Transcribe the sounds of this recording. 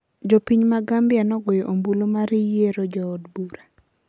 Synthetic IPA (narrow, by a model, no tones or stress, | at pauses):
d͡ʒɔpiɲmaɡambɪanɔɡojɔʔombulomaɾijeɾod͡ʒɔːdbuɾa